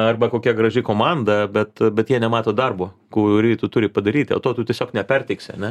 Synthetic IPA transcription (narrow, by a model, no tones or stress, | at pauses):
ɐrbɐkoːkʲɛɡrɐʒʲɪkoːmɑnd̪ɐbʲɛt̪bʲɛt̪jiɛnʲɛmɑːt̪oːd̪ɐrboː | kuːɾʲiːt̪ʊt̪ʊɾʲɪpɐd̪ɐɾʲiːt̪ʲɪo̰ːt̪oːt̪utʲiɛsʲoːknʲɛpʲɛrʲt̪ʲɛɪksʲɪɐ̰nʲɛ